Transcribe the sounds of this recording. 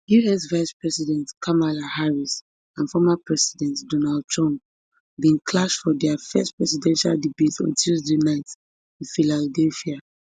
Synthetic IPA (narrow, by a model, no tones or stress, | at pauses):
juɛsvaɪspɹɛsidɛ̃ntkʰamalahaɹis | ãnfɔmapɹɛsidɛ̃ntdɔnald̚tʰɹɔ̃mp̚ | bĩnkʰlaʃfɔdɛafɛstpɹɛsidɛ̃nʃa̰lˠdibetɔ̰̃ntʰuzdenaɪt | ĩnfiladɛlfia